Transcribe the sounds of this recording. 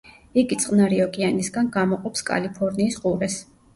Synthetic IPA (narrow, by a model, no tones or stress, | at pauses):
iɡit̪sʼqʼnaɾiɔkʼianisɡanɡamɔqʼɔpskʼa̰lipʰɔɾniːsqʼuɾɛs